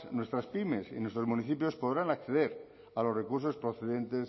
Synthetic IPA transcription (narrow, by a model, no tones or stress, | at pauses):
nwest̪ɾaspime̞sḭnwe̞st̪ɾo̞zmuniθipjo̞spoðɾanakθe̞ðeɾ | alo̞sre̞kuɾs̬o̞spɾoθeðe̞nt̪es